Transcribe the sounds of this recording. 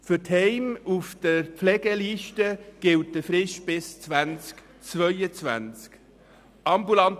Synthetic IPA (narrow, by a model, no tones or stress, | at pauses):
fʏthɛɪmufd̥əɾpflɛɡ̥əliːʃtəɡ̥ɪlt̚dəfɾɪʃb̥ɪst͡svænt͡sk | t͡svœʏət͡svæ̰nt͡sk | ʔɑmbulɑnt